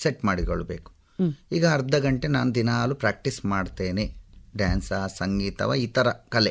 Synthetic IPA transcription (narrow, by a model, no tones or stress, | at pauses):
seʈmaːɽiko̰ɭːubḛːku̥ | iːɡɐːɾd̪ɐɡɐɳʈena̰ːnud̪inaːlupɾaːk̚ʈismaːɖt̪eːneɖaːnsɐsɐŋɡiːt̪ɐ̰ʋɐit̪ɐɾɐkɐle